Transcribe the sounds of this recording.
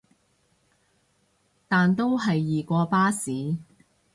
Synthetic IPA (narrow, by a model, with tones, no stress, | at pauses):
t̪aː˨nt̪o˥wɦɐ˨jːiː˨kɔː˧paː˥siː˨˥